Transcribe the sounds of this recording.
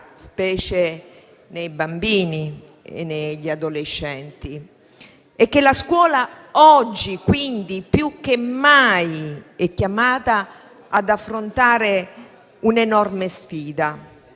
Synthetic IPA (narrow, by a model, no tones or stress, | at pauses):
spɛːt͡ʃe | nejbambiːni | ḛnːeʎad̪oleʃːɛnt̪i | ekːelaskwɔːla | ɔd͡ʒːikwind̪ipjukːemːajɛkːjamaːt̪aː | d̪afːɾont̪aːɾe | unenɔrmesfiːd̪a